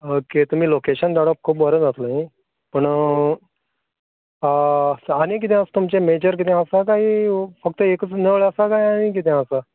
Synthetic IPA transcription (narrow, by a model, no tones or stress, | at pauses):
oket̪um̤iːlokeɕənd̪aɽəp̚kʰuːpʋəɾəd͡zat̪laɦi | pəɳ | aɽ̃ikit̪̬ẽast̪umt͡ɕemed͡ʑəɾk̬it̪ʰɛ̃asakaɦifək̚t̪əekət͡sneʋɭasakaɦiaɽ̃ik̬it̪ʰɛ̃asa